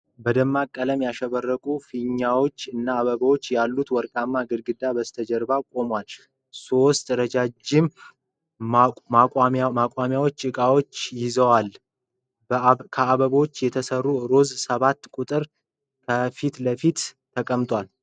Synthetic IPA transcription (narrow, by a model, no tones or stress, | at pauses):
bəd̪əmːakʼːələmjaʃɛβərːəkʼufiɲːawo̞t͡ʃːɨnːaːβəβəwot͡ʃːjalːut̪wɔɾkʼamːaɡɨd̪ɡɨd̪abəst̪ʰəd͡ʒəɾbakʼo̞mwal | so̞st̪ɾəd͡ʒad͡ʒɪm | aaakʷʼwamjawot͡ʃːɨkʼawot͡ʃːjɪzəwal | kʰəaβəβəwot͡ʃːjɛt̪ʰəsərːuɾo̞zsəβat̪ːkʼut̪ʼɨɾ | kʰəfit̪ləfit̪t̪ʰəkʼəmt̪ʼwal